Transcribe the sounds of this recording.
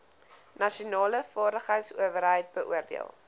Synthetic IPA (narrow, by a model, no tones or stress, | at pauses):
nɐʃiunɑːləfɑːrdəχɦəjtsuəvərɦəjt̚bəʔṵərdḭə̰lˠ